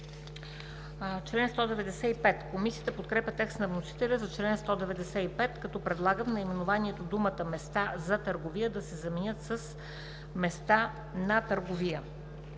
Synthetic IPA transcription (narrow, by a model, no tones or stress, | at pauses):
t͡ʃlɛnst̪ɔd̪ɛvɛd̪ɛsɛipɛt̪komisijət̪əpot̪̚kɾɛpʲət̪ɛkst̪nɐvnosi̥t̪ɛlʲəzɐt͡ʃlɛnst̪ɔd̪ɛvɛd̪ɛsɛipɛt̪kɐt̪ɔpɾɛd̪lˠaɡəmnɐimɛnovaniɛt̪od̪umət̪əmɛst̪azɐt̪əɾɡovijəd̪ɐsɛzɐmɛnʲɤt̪səs | mɛst̪a | nɐt̪əɾɡovijə